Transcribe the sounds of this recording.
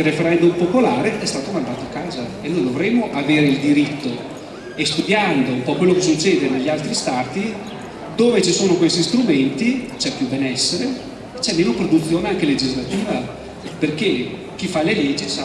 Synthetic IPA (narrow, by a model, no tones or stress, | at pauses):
refeɾɛnd̪umpopolaːɾeʔɛst̪aːt̪omand̪aːt̪oakːaːzaenːoːjd̪ovɾemːoʔaveːɾeild̪iɾit̪ːo | est̪ud̪jand̪oumpɔkwelːokesut͡ʃːeːd̪eneʎːialt̪ɾist̪aːt̪i | d̪oːvet͡ʃisoːnokwest̪ist̪ɾument̪it͡ʃɛpːjubɛnɛsːeɾe | t͡ʃɛmːeːnopɾod̪ut̪sːjoːneaŋk̟eled͡ʒizlat̪iːva | perke | k̟ifaleled͡ʒːit͡ʃa